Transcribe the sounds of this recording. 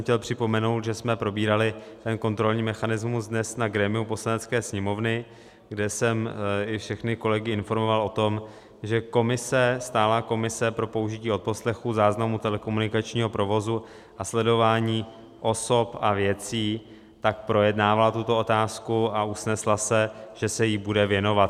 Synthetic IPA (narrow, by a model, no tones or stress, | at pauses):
xcɛlpr̥ɪpo̞mɛno̞wt̪ʒɛsmɛpɾo̞biːɾalɪt̪ɛnko̞nt̪ɾo̞lɲiːmɛxanɪzmusdnɛsnaɡɾɛmɪupo̞slanɛt͡skɛːsɲɛmo̞vnɪ | ɡdɛsɛmɪfʃɛxnɪko̞lɛɡɪɪnfo̞ɾmo̞valo̞t̪o̞m | ʒɛko̞mɪsɛst̪aːlako̞mɪsɛpɾo̞po̞uʒɪciːo̞t̪̚po̞slɛxuzaːznamut̪ɛlɛko̞munɪkat͡ʃɲiːɦo̞pɾo̞vo̞zu | ʔaslɛdo̞vaːɲiː | ʔo̞so̞pavjɛt͡siː | t̪akpɾo̞jɛdnaːvalat̪ut̪o̞ot̪aːskuausnɛslasɛʒ̥ɛsɛjibudɛvjɛno̞vat̪